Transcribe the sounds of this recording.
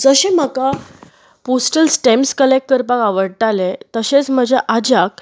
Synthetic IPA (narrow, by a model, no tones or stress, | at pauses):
d͡zəɕẽm̤əka | pɔsʈəlsʈemskəlekʈ̚kəɾpãkaʋəɽ̚ʈ̪alet̪əɕet͡sm̤əd͡ʑeʔad͡ʑak̚